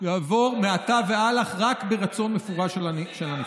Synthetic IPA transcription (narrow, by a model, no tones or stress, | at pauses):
jaːvo̞ʁmeatavealaχʁakbeʁat͡so̞nmefuʁaʃaʃelana